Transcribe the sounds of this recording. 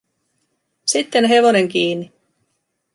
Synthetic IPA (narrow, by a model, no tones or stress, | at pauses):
sit̪ːe̞nɦe̞ʋo̞ne̞ŋkiːnːi